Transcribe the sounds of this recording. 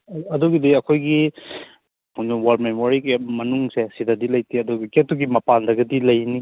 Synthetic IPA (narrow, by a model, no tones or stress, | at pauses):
ɐduɡidiɐkʰojɡi | munuwalmemoɾikimɐnuŋsesidadilɐjtʰiɐduɡɐketuɡimɐpandɐɡɐdilɐjni